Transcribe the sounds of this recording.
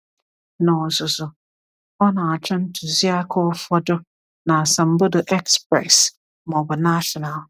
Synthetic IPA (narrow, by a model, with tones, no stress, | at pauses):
nã˨sʊ˨sʊ˨ | ɔ˦nã˨a˨t͡ɕʰᶣɛ̃˦n˦tʰu˨zi˦a˦kʰɔ˦fɔ˦dʊ˦ | nã˨sã˨m̩˦bʊ˦dʊ˨ʔɛ˦kspɾɛ̰˨s | mɔ̃˨bʊ˨na˦ʃɔ˨na˨l